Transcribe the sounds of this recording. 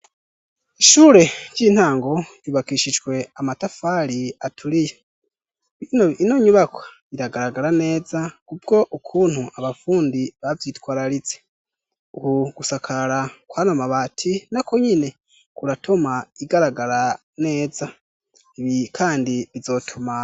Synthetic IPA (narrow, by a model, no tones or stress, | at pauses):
iʃuːɾe̞ɟɟiːn̥haːŋɡo̞juβakiʃid͡ʒɡwe̞amatafaːɾiatʰuɾije | inoinoɲuβakwḁ | iɾaɡaɾaɡaɾane̞ːzakub̚ɡo̞ʔukʰuːn̥huʔaβafuːndiβavjiːtwaːɾaɾit͡se̞̥ | uhuɡ̥usakʰaɾakwaːnomaβatʰinakoɲine̞ | kuɾatʰomaiɡaɾaɡaɾa | ne̞ːza | iβikʰaːndiβizo̞tʰuma